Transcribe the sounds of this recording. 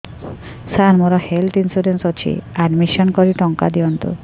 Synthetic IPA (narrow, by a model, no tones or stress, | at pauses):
sanmoɾɔhelt̪ʰinsuɾensot͡ɕʰḭaɖmiʃɔnkɔɾiʈɔŋka̰d̪iɔnt̪ṵ